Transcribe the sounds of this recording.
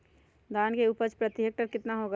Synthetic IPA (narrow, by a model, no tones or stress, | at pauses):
d̪aːnkeuːpəɾt͡ʃpɾət̪ɪɦek̚ʈəɾkɪt̪naɦoɡa